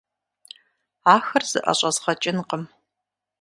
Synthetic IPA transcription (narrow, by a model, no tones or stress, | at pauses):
aːxɐrz̥ɨ̰ʔɐ̰ɕʼɐzʁɐt͡ʃʼɪnqəm